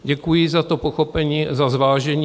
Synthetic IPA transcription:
ɟɛkujɪzat̪o̞po̞xo̞pɛɲiːazazvaːʒɛɲi

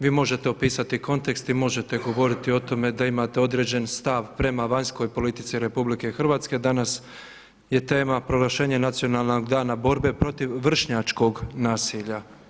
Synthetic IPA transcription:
ʋiːmo̞ʒe̞t̪eopiːsat̪iko̞nt̪e̞kst̪imo̞ʒe̞t̪e̞ɡo̞ʋo̞ɾit̪io̞t̪o̞me̞d̪aimaːt̪e̞o̞d̪ɾe̞d͡ʑe̞nst̪aʋpɾe̞maʋaɲsko̞jpo̞lit̪it̪siɾe̞publike̞xr̩ʋaːt̪ske̞d̪anas | je̞t̪e̞ːmapɾo̞ɡlaʃe̞ːɲenat̪sijo̞nalˠnoɡd̪aːnabo̞ɾbe̞pɾo̞t̪iʋːr̩ʃɲat͡ʃko̞ɡnaːsiʎa

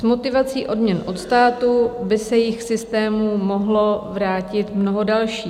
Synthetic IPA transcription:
zmo̞t̪ɪvat͡siːʔo̞dmɲɛnʔo̞t̪st̪aːt̪ubɪsɛjɪxsɪst̪ɛːmumo̞ɦlo̞vɾaːcɪt̪mno̞ɦodalʃiː

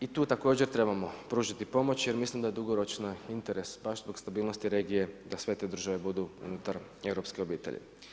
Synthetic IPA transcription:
it̪uːt̪ako̞ːd͡ʑe̞ɾt̪ɾe̞bamo̞pɾuːʒit̪ipo̞mo̞t͡ɕje̞ɾmislimd̪aje̞d̪uɡo̞ɾo̞t͡ʃnaint̪e̞ɾe̞sbaʃzbo̞ɡst̪abiːlˠno̞st̪iɾe̞ːɡije̞d̪asʋe̞t̪e̞ːd̪ɾr̩ʒaʋe̞bud̪uṵnut̪aɾe̞wɾo̞pskeo̞biːt̪e̞̰ʎʔḭ

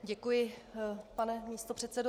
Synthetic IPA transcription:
ɟɛkujɪpanɛmiːst̪o̞pr̝̥ɛt̪sɛdo

